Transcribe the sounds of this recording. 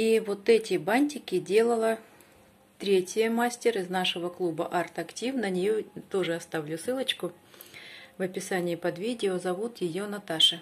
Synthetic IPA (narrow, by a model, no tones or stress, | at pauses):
ivo̞t̪ɛtʲɪbanʲtʲɪkʲɪdʲe̞lˠəlˠə | t̪ɾʲetʲjjəmasʲtʲɪrɪznaʂɨvəklˠubəʔart̪ɐktʲifnənʲɪjot̪o̞ʐɨɐst̪avlʲʊsɨlˠət͡ɕkʊ | vɐpʲɪsanʲɪɪpɐd̪vʲidʲɪozɐvut̪jɪjo̞nɐt̪aʂɨ